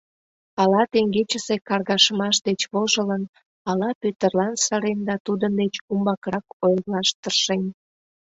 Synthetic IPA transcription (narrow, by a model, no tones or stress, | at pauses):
ɑlɑt̪eŋɡet͡ɕəsekɑrɣɑʃəmɑʃd̪et͡ɕβoʒələn | ɑlɑpyt̪ərlɑnsɑɾend̪ɑt̪ud̪ənd̪et͡ɕumbɑkrɑkojrlɑʃt̪ərʃen